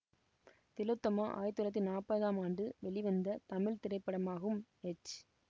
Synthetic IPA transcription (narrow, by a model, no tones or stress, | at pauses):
t̪ɪlɯt̪ːɐmaːʔa̰ːjt̪ːɯlɐt̪ːinaːpːɐðaːmaːɳɖɯʋɛɭɪʋɐnd̪ɐt̪ɐmɪɭt̪ɪɾɐɪpːɐɽɐmaːɣɐɯmɛt͡ʃ